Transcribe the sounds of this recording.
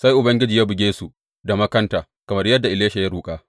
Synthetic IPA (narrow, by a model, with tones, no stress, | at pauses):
sa˦jʔʊ˨bɐ˦ŋɡʲɪ˦d͡ʒiː˨jaː˦bʊ˨ɡʲeː˦su˨ | da˨mɐ˦kɐ˦ntaː˨ | kɐ˨mɐ˦rjɐ˦dːa˨ʔɪ˨leː˦ʃa˨ja˦ɾuː˨kʼaː˦